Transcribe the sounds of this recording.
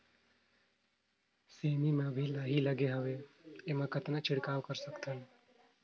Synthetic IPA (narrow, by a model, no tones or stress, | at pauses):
semimãbʱilaɦiləɡeɦəʋeemãkət̪nat͡ʃʰɪɽkaːʋkəɾsəkt̪ən